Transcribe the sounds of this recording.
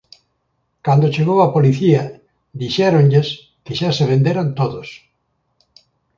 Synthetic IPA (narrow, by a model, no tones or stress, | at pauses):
kand̪ot͡ʃeɣowapoliθiɐ | d̪iʃɛɾonʎes | kɪʃaseβ̞ẽnd̪eɾant̪oðos